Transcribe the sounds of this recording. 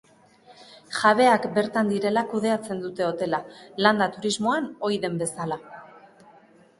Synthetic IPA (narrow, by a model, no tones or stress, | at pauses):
ʝaβ̞e̞akbe̞ɾt̪and̪iɾe̞lakuð̞e̞at͡se̞nd̪ut̪e̞o̞t̪e̞laland̪at̪uɾizmo̞ano̞iðe̞mbe̞sala